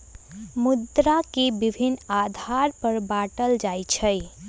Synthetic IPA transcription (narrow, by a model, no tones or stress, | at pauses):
mʊd̪ɾakebɪbʱinad̪ʱaɾpəɾbaʈəld͡ʒajt͡ʃʰə